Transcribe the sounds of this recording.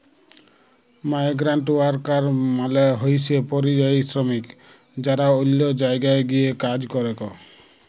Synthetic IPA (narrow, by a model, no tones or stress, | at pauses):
majɡɾaɳʈuaɾkaɾmaleɦojsepɔɾid͡ʒajsɾɔmik | d͡ʒaɾaolːɔd͡ʒajɡaeɡiekad͡ʒkɔɾekɔ̰